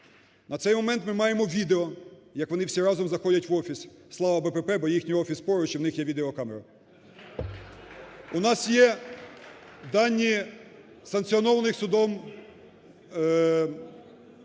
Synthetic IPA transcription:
nɐt̪sɛjmɔmɛnt̪mɪmɑjemɔʋʲid̪eɔjɐkʋɔnɪwsʲiɾɑzɔmzɐxɔdʲɐtʲʋɔfʲisʲ | slˠɑʋɐbɛpɛpɛbɔjixnʲijɔfʲispɔɾʊt͡ʃiwnɪxjɛʋʲid̪eɔkɑmeɾɐ | unɑsjɛ | d̪ɑnʲːi | sɐnk̪sʲiɔnɔʋɐnɪxsʊd̪ɔm

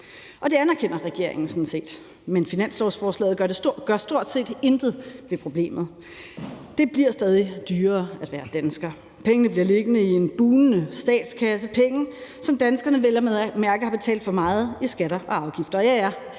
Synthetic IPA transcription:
ʔɒ̽d̥e̝ænæɐkʰen̰ɐʁɛɡ̥e̝̰ɐ̰e̝ŋn̩sɒ̽n̩se̝̰ːd̥ | menfinæn̰slɒsfɒːslɛ̰ːð̩ˠɡɶɐd̥e̝ɡ̥ɶɐ̰sd̥o̝ɐ̰d̥se̝̰ːd̥e̝nd̥ð̩ˠʋe̝pʰʁo̝b̥le̝̰ːmð̞̩ˠ | d̥e̝b̥liɐsd̥ɛːð̞ˠid̥yːɐːæd̥ʋæːɐd̥ænsɡ̥ɐ | pʰeŋənəb̥liɐ̰le̝ɡ̥ənəie̝nb̥uːnnəsd̥ɛ̰ːd̥skʰæs̬əpʰeŋəsɒ̽md̥ænsɡ̥ɐnəʋelɐmeðˠæmæɐɡ̥əhɑ̈b̥e̝t͡sʰɛ̰ːld̥fɒ̽mɑ̈ːð̞̩ˠisɡ̥æɾ̥ɐʔɒ̽ɑ̈ʊɡ̥ifd̥ɐjɑ̈ɪæɐ

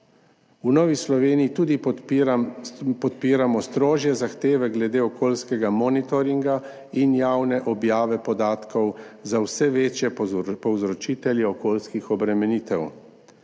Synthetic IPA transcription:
unɔːʋislɔʋeːniːt̪uːd̪i | pɔt̪piːɾamɔst̪ɾoːʒjɛzaxt̪eːʋɛɡlɛd̪eːɔkʰoːlskɛɡamɔːnit̪ɔɾiŋɡa | injaːwnɛʔɔbjaːʋɛpɔd̪aːt̪kɔwzawsɛʋeːt͡ʃjɛpɔwzɾɔt͡ʃiːt̪ɛljɛɔkoːlskixɔbɾɛmɛniːt̪ɛw

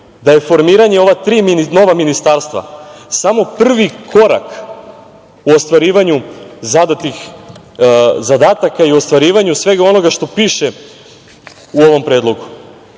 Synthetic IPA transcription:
d̪aje̞fo̞ɾmiːɾaɲe̞o̞ʋat̪ɾiːminino̞ʋaminist̪aːɾst̪ʋa̰samo̞pr̩ʋikʰo̞ɾa̰k | uost̪ʋaɾiːʋaɲuzad̪at̪ix | zad̪aːt̪akaio̞st̪ʋaɾiːʋaɲusʋe̞ɡao̞no̞ɡaʃt̪o̞piːʃe | uoʋo̞mpɾeːd̪lˠo̞ɡu

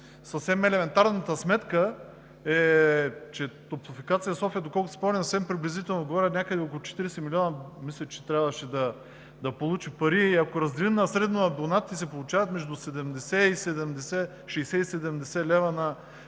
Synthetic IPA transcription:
sɐfsɛmɛlɛmɛnt̪aɾnɐt̪əsmɛt̪kə | ɛ | t͡ʃɛt̪opofikat̪sijɐsɔfiəd̪okɔlˠkʊsi̥pɔmnʲisəsɛmpɾiblʲizit̪ɛlˠnod̪̚ɡovɔɾʲɐt̪nʲakəd̪ɛokolˠut͡ʃɛ̥t̪iɾɛsɛmilʲiɔnɐmislʲɛt͡ʃɛ̥t̪ɾʲavəʃɛd̪ɐ | d̪ɐpolˠut͡ʃipɐɾiːɐkoɾɐzd̪ɛlimnɐsɾɛd̪noɐbonat̪ːisɛpolˠut͡ʃavɐt̪mɛʒd̪usɛd̪ɛmd̪ɛsɛisɛd̪ɛmd̪ɛsɛ | ʃɛjsɛisɛd̪ɛmd̪ɛsɛlɛvɐnɐ

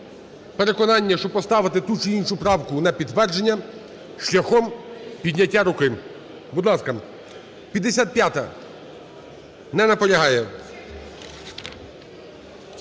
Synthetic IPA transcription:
peɾekɔnɑnʲːɐʃt͡ʃɔpɔst̪ɑʋɪt̪ɪt̪ut͡ʃɪinʃʊpɾɑwkʊnɐpʲid̪ːʋɛrd͡ʒenʲːɐ | ʃlʲɐxɔmpʲid̪ʲnʲɐtʲːaɾʊkɪ | bud̪lˠɑskɐ | pʲɐd̪ːesʲat̪̚pʲjat̪ɐ | nɛnɐpɔlʲɐɦɑjɛ

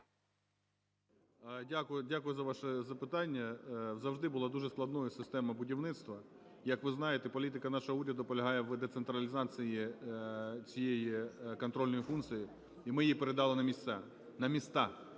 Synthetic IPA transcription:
dʲakdʲakʊjʊzɐʋɑʃɛzɐpɪt̪ɑnʲːɐzɐwʒd̪ɪbʊlˠɑd̪uʒɛsklˠɐd̪nɔjʊsɪst̪ɛmɐbʊdʲiwnɪt̪st̪ʋɐ | jɐkʋɪznɑjet̪ɛpɔlʲit̪ɪkɐnɑʃɔɦɔuɾʲɐd̪ʊpɔlʲɐɦɑjɛʋd̪et̪sent̪ɾɐlʲizɑt̪sɨji | t͡sʲijejikɔnt̪ɾɔlʲnɔjifunt̪sɨji | imɪjijpeɾed̪ɑlˠɪnɐmʲist̪sɛ | nɐmʲist̪ɑ

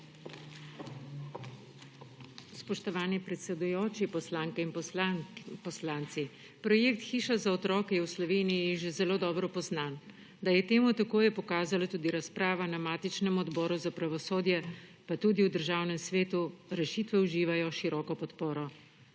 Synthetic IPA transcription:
spɔʃt̪ɔʋaːnipɾɛt̪sɛd̪ujoːt͡ʃipɔslaːŋkɛinp | pɔslaːnt̪si | pɾɔjeːk̚t̪xiːʃazaɔt̪ɾɔːkɛjɛwslɔʋeːnijiʒezɛloːd̪ɔːbɾɔpɔznan | d̪ajɛt̪eːmut̪akoːjɛpɔkaːzalat̪uːd̪iɾaspɾaːʋanamaːt̪it͡ʃnɛmɔd̪bɔːɾuzapɾaʋɔsoːd̪jɛpat̪uːd̪iud̪əɾʒaːwnɛmsʋeːt̪uɾɛʃiːt̪ʋɛuʒiːʋajɔʃiɾɔːkɔpɔt̪poːɾɔ

